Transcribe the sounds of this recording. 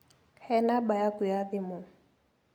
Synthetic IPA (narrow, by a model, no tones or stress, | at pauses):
hɛnabajakʊjadimʊ